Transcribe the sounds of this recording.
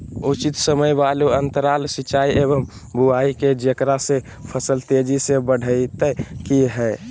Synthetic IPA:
ut͡ʃit̪səməjbaluənt̪əɾalsit͡ʃaːiʔebəm | bʱuaiked͡ʒəkɾase | pʰəsəlt̪ed͡ʒisebəɽ̤ʱəit̪ɛkiɦɛɪ

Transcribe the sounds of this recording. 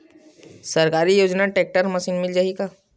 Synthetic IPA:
sɐɾkaːɾijoːd͡ʒnaʈeːk̚ʈəɾmɐsiːnmɪld͡ʒaːikaː

